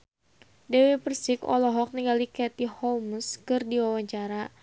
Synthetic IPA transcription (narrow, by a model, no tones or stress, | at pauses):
dɛwɛpərsɪkɔ̰lɔɦɔk̚niŋɡalikɛt̪ihɔmskɨrdiwawaɲt͡ʃaɾa